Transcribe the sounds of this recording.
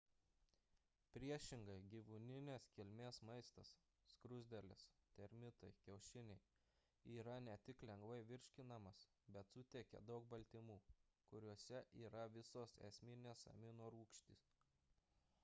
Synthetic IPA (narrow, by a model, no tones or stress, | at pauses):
pʲɾʲiɛʃʲɪŋɡɐɪɡʲiːʋʊnʲɪnʲeːskʲɪlʲmʲeːsmɐɪst̪ɐsː | kɾʊzʲd̪ʲɛlʲɪst̪ʲɛɾʲmʲɪt̪ɐɪkʲɛʊʃʲɪnʲɛɪ | iːɾɐnʲɛt̪ʲɪklʲɛŋɡʋɐɪʋʲɪɾʲʃʲkʲɪnɐmɐs | bʲɛt̪sʊt̪ʲekʲɛ̰d̪ɒʊk̚bɐlʲt̪ʲɪmuː | kʊɾʲuɔsʲɛʔiːɾɐʋʲɪsoːsɛ̰sʲmʲɪnʲeːsɐ̰mʲɪnoːɾuːkʃʲt̪ʲis